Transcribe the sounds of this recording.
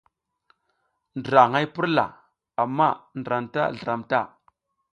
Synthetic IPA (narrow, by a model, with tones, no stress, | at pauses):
ndɾa˨ŋa˦jpi˦ɾla̰˨ | a˨mːa˦˨nə˨ɾa˨mta̰˦˨ɮə˨ɾa˨mta˦˨